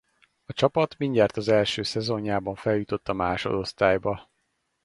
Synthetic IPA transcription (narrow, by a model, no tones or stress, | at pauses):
ɒt͡ʃɒpɒt̪miɲɟaːrt̪ɒzɛlʃøːsɛzo̞ɲjaːbɒɱfɛljut̪o̞t̪ːɒmaːʃo̞̰d̪o̞st̪aːjbɒ